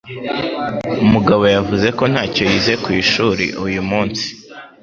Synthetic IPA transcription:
umuɡaβo̞javuze̞ko̞n̥haːco̞jize̞kwiːʃuɾḭʔujumuːnsi̥

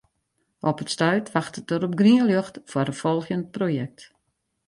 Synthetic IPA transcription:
ʔɔpətstœɥtʰʋaxtət̚dəɾɔp̚ɡriəljøxtfwarəfɔlˠxjənt̚projɛk̚t

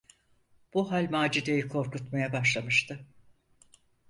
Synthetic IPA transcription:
b̥uɦalʲmaːd͡ʒid̪e̞jikʰo̞ɾkut̪majabaʃlˠamɯʃt̪ʰɯ

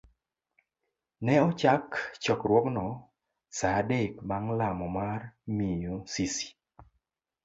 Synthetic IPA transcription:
nɛɔt͡ʃakt͡ʃɔkɾwɔknɔ | sadekmaŋlamɔmarmijosisi̥

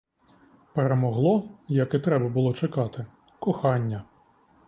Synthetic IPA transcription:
peɾemɔɦlˠɔjɐkɪt̪ɾɛbɐbʊlˠɔt͡ʃɪkɑt̪ɪ | kɔxɑnʲːɐ

